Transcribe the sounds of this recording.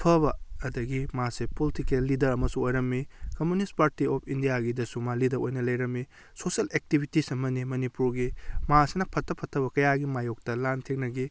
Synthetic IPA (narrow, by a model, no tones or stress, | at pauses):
pʰɐbɐːdɐɡimasepolitikelːidɐɾɐmɐsũojɾɐmːikɐmunistpaɾtiopʰindijaɡidɐsumalidɐɾojnɐlɐjɾɐmːi | sosɐlek̚tibʱitisɐmɐnimɐnipuɾɡimasenɐpʰɐtʰːɐpʰɐtʰːɐbɐkɐjaɡimajok̚tɐlantʰeknɐɡi